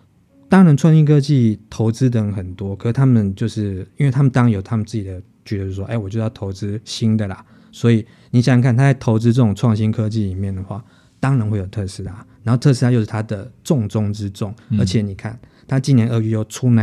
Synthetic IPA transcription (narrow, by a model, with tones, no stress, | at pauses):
t̪ɑ˥ŋɻa˧˥nʈ͡ʂʰwɑ˥˧ŋɕi˥ŋkʰɤ˥t͡ɕi˥˨t̪ʰo˧˦ʊt͡sɹ̩˦˥t̪ə˧˥ŋxə˨˩nt̪wɔ˦kʰə˨˩s̩˥˩t̪ʰa˥mə˨nt͡ɕjo˥˧ʊʂɻ̩˥˩i˥nwe˥˩t̪ʰa˥mə˨nt̪ɑ˥ŋjo˨˩ʊt̪ʰa˦mə˨nt͡sɹ̩˥˩t͡ɕi˨˩d̪ə˦ | t͡ɕɛ˧˥d̪ə˨˧jo˥˩wo˥e˧˥˩wɔ˨˩t͡ɕo˥˧jɑ˥˩t̪ʰo˧˥ʊt͡sɹ̩˥ɕi˥nd̪ə˨la˩ | swɔ˧˦˥i˨˩ | ni˨˩ɕŋkʰa˥˨nt̪ʰa˥t͡sa˥˩ɪt̪ʰo˧˥ʊt͡sɹ̩˥ʈ͡ʂə˥˩ʈ͡ʂʊ˨˩ŋʈ͡ʂʰwɑ˥˨˩ŋɕi˥nkʰɤ˦t͡ɕi˥˩li˨˩mjɛ˥˩nd̪ə˩xwa̰˥˩ | t̪ɑ˥ŋɻa˧˥nxwe˥˩ɪjo˨˩ʊt̪ʰɤ˥˩ʂɻ̩˥t̪ʰa˥na˨˧nho˥˧ʊt̪ʰɤ˥˧ʂ̬̩ʰ˥a˥˧jo˥˧ʊʂɻ̩˥˩t̪ʰa˥d̪ə˨ʈ͡ʂʊ˥˧ŋʈ͡ʂʊ˥ŋʈ͡ʂɻ̩˦ʈ͡ʂʊ˥˨˩ŋə˧˥t͡ɕʰjɛ˨˩˦ni˨˩kʰa̰˥˩n | t̪ʰa˥˦t͡ɕi˥˧njɛ˧˦nə˧ɥy˧jo˥˩ʊʈ͡ʂʰu˥na˨˦